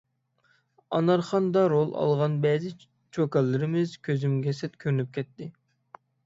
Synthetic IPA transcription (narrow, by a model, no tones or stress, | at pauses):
ɑnɑɾχɑnd̪ɑɾolˠɑ̰lˠʁɑnbɛzɪ | t͡ʃʰokɑlːɨɾɪmɪzkʲʰøzymɡʲɛsɛt̪kʲʰøɾynyp̚kʲʰɛt̪ːɪ